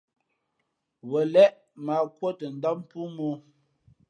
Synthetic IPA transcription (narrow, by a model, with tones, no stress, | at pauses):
wə˨lɛ˦ʔ | ma˨kwo˦tə˨n̩˦da˦m̩˦pu˦mo˦